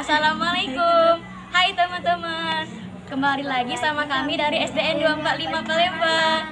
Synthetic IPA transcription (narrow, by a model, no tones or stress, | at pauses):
asalamalajkum | hajt̪əmənt̪əmən | kəmbalilaɡisamakamidaɾiɛsdeɛnduaəmpat̪̚limapəleba